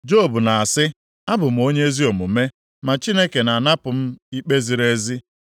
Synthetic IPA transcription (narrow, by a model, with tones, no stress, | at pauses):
d͡ʒo˦˨bu˨na˨a˨sɪ˦ | a˦bʊ˨m̩˨o˦ɲe˦e˦zi˦o˨mʊ˨me˦ | ma˨t͡ʃi˦ne˦ke˨na˨na˦pʊ˨m̩˦i˦k͡pe˦zi˨ɾe˦zi˦